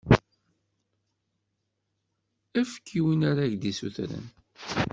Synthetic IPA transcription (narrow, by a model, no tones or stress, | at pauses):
æfə̥kʰːiwinaɾaʝd̪isṵθɾə̰n